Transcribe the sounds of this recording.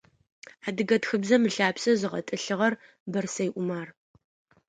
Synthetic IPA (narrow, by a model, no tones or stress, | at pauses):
ħadɨɡɐtxɨbzɐmɨɬaːpsɐzɨʁɐ̰tʼɨɬɨʁɐr | bɐrsɐjʔʷʊmaːr